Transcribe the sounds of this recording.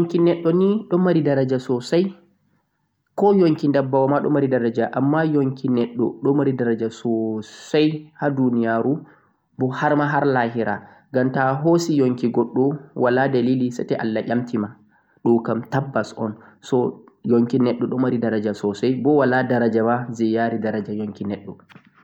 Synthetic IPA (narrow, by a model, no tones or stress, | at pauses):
joŋkinɛɗːɔniɗɔmːaɾidaɾad͡ʒasɔsaj | kɔjoŋkindabːawamaɗɔ̰maɾidaɾad͡ʒaʔamːajoŋkʰinɛɗːɔ̰ɗɔmaɾidaɾad͡ʒasɔsajhadunijaɾu | bɔhaɾmaɦaɾlaɦiɾa̰ | ɡamtaɦosijoŋkiɡɔɗːɔwʔaladalilisatɛʔalːaʔʲamtima | ɗukamtabːasɔ̰n | sɔ | joŋkinɛɗːɔɗɔmaɾidaɾad͡ʒasɔsajbɔwaladaɾad͡ʒamazɛjaɾidaɾad͡ʒajoŋkinɛɗːɔ